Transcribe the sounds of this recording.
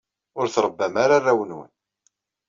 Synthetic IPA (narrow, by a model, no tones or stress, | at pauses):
ʊɾθɾˤəbːæmaɾaræwənwə̰n